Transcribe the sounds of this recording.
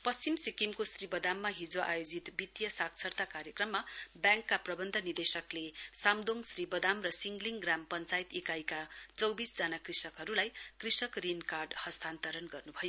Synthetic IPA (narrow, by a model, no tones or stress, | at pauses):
pʌst͡simsikimkosribʌd̪amːaɦid͡zoʔa̰jod͡zit̪bit̪jʌsakt͡sʰʌrt̪akaɾjʌkrʌmːabjãŋkːaprʌbʌnd̪ʱʌnid̪esʌklesamd̪oŋsribʌd̪amrʌsiŋɡliŋɡrampʌnt͡sajt̪ikajkat͡sʌwbisd͡zanakrisʌkɦʌɾulajkrisʌkrinkarɖhʌst̪ʰant̪ʌɾʌnɡʌrnubʱʌjo